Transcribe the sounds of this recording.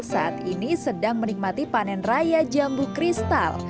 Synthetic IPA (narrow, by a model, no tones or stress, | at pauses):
saʔat̪inisədaŋmənik̚mat̪ipanɛnrajad͡ʒambukɾist̪a̰l